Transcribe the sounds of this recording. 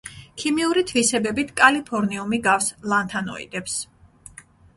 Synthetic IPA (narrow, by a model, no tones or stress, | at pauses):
kʰimiuɾit̪ʰvisɛbɛbit̪ʰkʼalipʰɔɾniumiɡafslˠant̪ʰanɔ̰ḭd̪̥ɛps